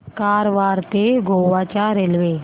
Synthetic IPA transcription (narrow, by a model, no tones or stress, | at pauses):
kaːɾʋaːɾt̪eɡʱoːwaːt͡ʃaːɾelʋeː